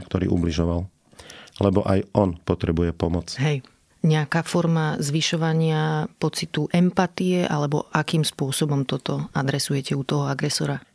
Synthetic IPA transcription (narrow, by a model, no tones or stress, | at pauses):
kt̪ɔɾḭːʔṵbliʒɔʋal | lɛbɔʔajɔnpɔt̪ɾɛbujɛpɔmɔt͡sɦɛj | ɲɛakaːfɔɾmazʋiʃɔʋaɲɪapɔt͡sit̪uʔɛmpat̪ijɛʔa̰lɛbɔʔakiːmspʊɔsɔbɔmt̪ɔt̪ɔad̪ɾɛsujɛcɛut̪ɔɦɔaɡɾɛsɔɾa